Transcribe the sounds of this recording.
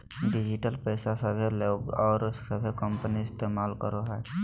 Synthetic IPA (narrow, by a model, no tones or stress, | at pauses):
ɖid͡ʒiʈəlpɛːsasəbʱeleɡɔːɾəbʱekəmpəniɪst̪emaːlkəɾoɦɛː